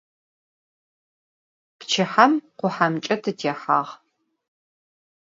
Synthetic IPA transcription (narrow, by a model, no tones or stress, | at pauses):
pt͡ʃʰɪħɐmqʷʊħamt͡ʃʼɐtʰɨtʰeːħaːʁ